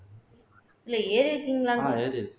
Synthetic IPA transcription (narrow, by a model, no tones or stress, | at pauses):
ɪlːɐeːɾɪɾɯkːiŋɡɐɭaːeːɾɪɾɯkː